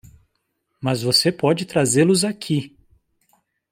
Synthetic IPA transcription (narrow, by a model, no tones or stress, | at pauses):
mɐzvosepɔd͡ʒɪt̪ɾazelʊzakʰi